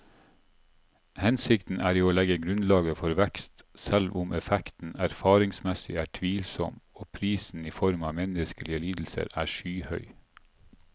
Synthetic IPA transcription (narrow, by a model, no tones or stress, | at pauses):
hɛnsɪkt̪n̩ʔæːɾiːoːlɛɡəɡɾʉnlɑːɡəfɔɾʋɛkst̪sɛlʋʊmʔɛfɛkt̪n̩æɾfɑːɾɪŋsmɛsɪ̰æːʈʰʋiːlsɔ̰moːpʰɾiːsn̩iːfɔɾmɑːmɛnəskəlɪəliːd̪l̩sə̰ɾæːʃyːhœʏ